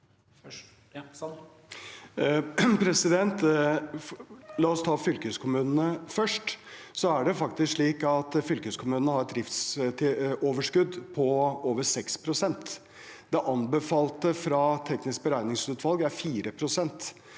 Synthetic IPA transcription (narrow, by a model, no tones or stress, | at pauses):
pʰɾɛsɪd̪ɛnt̪ | lɑːɔst̪ʰɑːfʏlkəəskʰʊmʉːnnəfœʂʈsɔæɖɛfɑkt̪ɪskʂɭiːkɑt̪fʏlkəskʰʊmʉːnənəhɑɾɛt̪̚d̪ɾɪft̪st̪ʰɪoːʋəʂkʉd̪pʰɔoːʋəsɛkspʰɾʊsɛnt̪ | d̪ɛʔɑnbɛfɑːlt̪əfɾɑt̪ʰɛknɪsk̚bəɾæɪnɪŋsʉːt̪ʰʋɑlˠɡæɾfiːɾəpʰɾʊsɛnt̪